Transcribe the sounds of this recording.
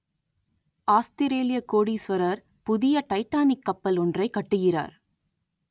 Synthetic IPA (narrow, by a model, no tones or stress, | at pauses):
aːst̪ɪɾeːlɪjɐkoːɽisʋɐɾɐɾ | pʊðɪjɐʈɐɪʈːaːnɪkːɐpːɐlɔndrɐɪkːɐʈːɯɣɪra̰ːɾ